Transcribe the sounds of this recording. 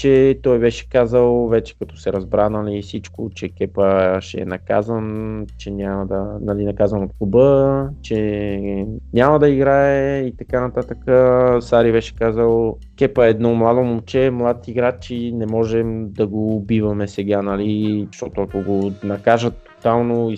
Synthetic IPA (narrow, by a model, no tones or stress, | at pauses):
t͡ʃɛt̪ɔjbɛʃɛ̥kazəlˠvɛt͡ʃɛ̥kɐt̪ɔ̥sɛɾɐzbɾanɐlisit͡ʃkot͡ʃɛkɛpəʃɛɛ̰nɐka̰zənt͡ʃɛnʲaməd̪ɐnɐlinɐkazənot̪xubət͡ʃɛ | ɲʲaməd̪ɐiɡɾaɛit̪ɐkanɐt̪at̪əkəsaɾibɛʃɛ̥kazəlˠ | kɛpəɛːd̪nɔmlˠad̪omomt͡ʃɛmlˠad̪̚t̪iɡɾat͡ʃinɛmɔʒɛmd̪ɐɡoːbivɐmɛsɛɡanɐliʃt̪ɔt̪ʊɐkoɡonɐkaʒət̪ːo̥t̪alˠnoi